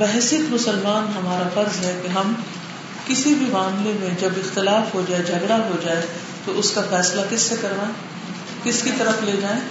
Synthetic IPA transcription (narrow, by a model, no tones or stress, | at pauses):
bɛɦsɪk̪mʊsəlmaːnɦɐmaːɾafɐɾzɦɛkeɦɐm | kɪsibʱimaːmlemẽd͡ʒɐbɪxt̪ɪlaːfɦod͡ʒaːed͡ʒʱɐɡɽaɦod͡ʒaːe | t̪oʔʊskafɛːslakɪsːekɐɾʋaːe | kɪskit̪ɐɾəfleːd͡ʒaːẽː